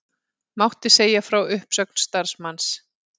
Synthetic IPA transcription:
mawht̪ɪ̥seːjafɾawʏhpsœk̚n̥st̪aɾ̥smans

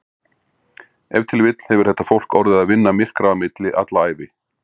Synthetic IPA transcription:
ɛvt̪ʰɪlvɪt̪l̥hɛvʏɾ̥θɛht̪ːafowl̥kɔɾðɪðaðvɪnːamɪr̥kɾaamɪt̪lɪʔa̰t̪laaːjvɪ

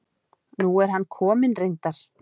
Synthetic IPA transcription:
nuɛɾ̥ɦanːkʰɔːmɪnrejnt̪aɾ̥

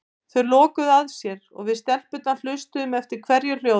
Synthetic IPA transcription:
θœɥlɔːkʏðaðsjɛɾɔ̰ɣvɪðst̪ɛl̥pʏt̪alʏst̪ʏmɛft̪ɪɾ̥kʰvɛɾjʏɾl̥jo

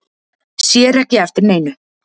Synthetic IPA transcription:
ssjɛːɾɛhcɪɛft̪ɪɾneːjnʏ

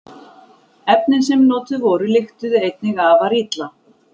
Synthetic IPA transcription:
ɛpnɪns̬ɛmnɔːt̪ʏvɔːɾʏlɪxt̪ʏðejt̪nɪɣavaɾiːt̪la

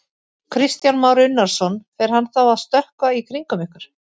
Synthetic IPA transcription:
kʰɾɪst̪janmaːwɾʏnːaɾ̥sɔnfɛɾ̥hanːθawaðst̪œhkvaikʰɾiŋkʏmɪhkʏɾ̥

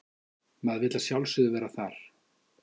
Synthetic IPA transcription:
mɛðvɪːt̪lasjawlsʏðʏvɛːɾaθaɾ̥

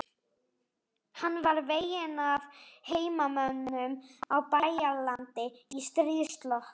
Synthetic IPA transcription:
hanːvaɾveːjɪnavheːjmamœnːʏmawpajalant̪ɪist̪ɾɪst̪lɔhk

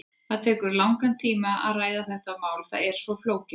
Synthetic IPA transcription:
θaðt̪ʰɛːkʏɾlawŋkant̪ʰiːmaa̰ðraːjðaθɛht̪amaːwlθa̰ðɛɾ̥svɔfloːwcɪ

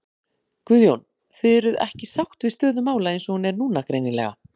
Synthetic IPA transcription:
kvʏðjown | θɪðɛɾʏðɛ̰hcɪsawxt̪vɪðst̪œːðʏmaːwlaejnsɔhunɛɾnuːnakɾejnɪnlɛ̰ɣa̰

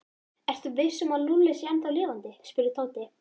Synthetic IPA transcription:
ɛr̥t̪ʏvɪsːʏmaðnulːɪsjɛnt̪awlɪːvant̪ɪspʏɾɪt̪ʰoːwt̪ɪ

